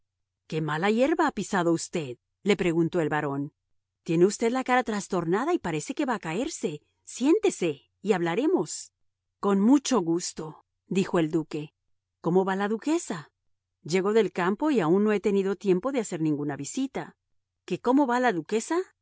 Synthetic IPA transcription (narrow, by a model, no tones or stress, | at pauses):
ke̞malaje̞ɾβaapisaðo̞ust̪e̞ð | le̞pɾe̞ɣunt̪o̞e̞lβaɾo̞n | t̪je̞ne̞ust̪e̞ðlakaɾat̪ɾast̪o̞ɾnaðaipaɾe̞se̞ke̞βaːkae̞ɾse̞ | sje̞nt̪e̞se̞ | iaβ̞laɾe̞mo̞s | ko̞nmut͡ʃo̞ɣust̪o̞ | d̪ixo̞e̞ld̪uke̞ | ko̞mo̞βalaðuke̞sa | d͡ʒe̞ɣo̞ðe̞lkampo̞iaunːo̞e̞t̪e̞nið̞o̞t̪je̞mpo̞ðeaseɾnĩŋɡunaβisit̪a | ke̞ko̞mo̞βalaðuke̞sa